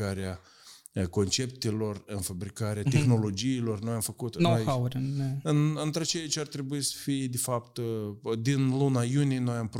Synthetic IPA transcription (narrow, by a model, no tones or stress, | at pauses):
aɾea | ko̞nt͡ʃe̞p̚t̪elo̞rɨnfabɾikaɾeat̪e̞xno̞lo̞d͡ʒiːlo̞rnojamfəkut̪noaawɾənɨnɨnt̪ɾat͡ʃejit͡ʃart̪ɾebuisə̥fijed̪efapt̪d̪inlunajunijeno̞jamp